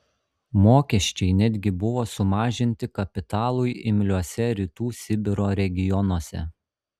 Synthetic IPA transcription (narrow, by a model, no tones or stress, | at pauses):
moːkʲɛʃʲt͡ʃʲɛɪnʲɛd̪ʲɡʲɪbʊʋoːsʊmɑːʒʲɪnʲt̪ʲɪkɐpʲɪt̪ɑːlˠʊjʔɪmʲlʲuɔsʲɛɾʲit̪uːsʲɪbʲɪɾoːɾʲɛɡʲɪjɔnuɔsʲɛ̰